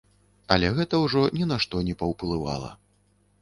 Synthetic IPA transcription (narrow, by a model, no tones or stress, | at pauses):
ɐlʲɛɣɛt̪ɐwʐɔnʲɛnaʂt̪ɔnʲɛpɐwplˠɨva̰lˠɐ̰